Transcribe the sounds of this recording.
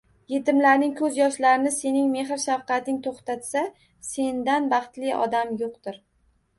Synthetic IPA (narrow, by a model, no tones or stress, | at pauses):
je̞t̪ɪmlaɾnɪŋkʰɵzjɒʃlaɾɪnɪse̞nɪŋme̞ɦɪɾʃafqɑt̪ɪŋt̪ʰoχt̪at̪sa | se̞nd̪anbɑχt̪lɪʔɒ̰d̪amjoq̚t̪ɪɾ